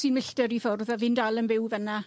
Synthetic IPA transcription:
siːnmɪɬtəɾifʊrðavɪndalˠənbɪwvəna

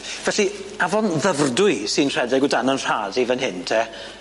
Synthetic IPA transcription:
vɛɬiavɔnðəvrdʊɨsinr̥ɛdɪɡʊdanənr̥aːdivənɦɪntʰɛ

